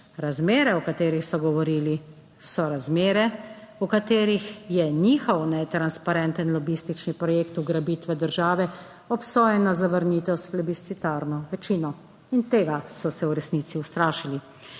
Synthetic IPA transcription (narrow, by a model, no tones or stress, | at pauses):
ɾazmeːɾɛɔkat̪eːɾixsɔɡɔʋɔɾiːli | sɔɾazmeːɾɛukat̪eːɾixjɛniːxɔwnɛt̪ɾanspaɾɛnt̪ənlɔbist̪it͡ʃnipɾɔjeːkt̪uɡɾabiːt̪ʋɛd̪əɾʒaːʋɛ | ɔpsɔːjɛnazaʋəɾniːt̪ɛwsplɛbist̪it̪aːɾnɔʋɛt͡ʃiːnɔ | int̪eːɡasɔsɛwɾɛsniːt̪siwst̪ɾaːʃili